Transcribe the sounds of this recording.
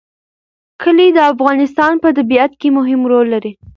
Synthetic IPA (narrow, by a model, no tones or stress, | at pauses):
kəled̪əafɣɑnɪst̪ɑnpət̪abiat̪kemʊɦɪmɾolːaɾi